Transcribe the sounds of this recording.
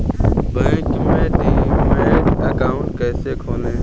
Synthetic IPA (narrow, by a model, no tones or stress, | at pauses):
bɛ̃ːkmẽʈiːmeːʈəkaːʊ̃ɳʈkɛːsekʰoːlẽ